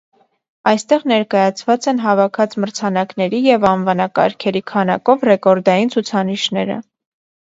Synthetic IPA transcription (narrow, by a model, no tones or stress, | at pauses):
ɑjst̪ɛʁnɛɾkɑjɑt͡sʰvɑt͡sɛnɦɑvɑkʰɑt͡sməɾt͡sʰɑnɑknɛɾijɛvɑnvɑnɑkɑ̰ɾkʰɛɾikʰɑnɑ̰kɔvrɛkɔɾd̪ɑjint͡sʰut͡sʰɑniʃnɛɾə̰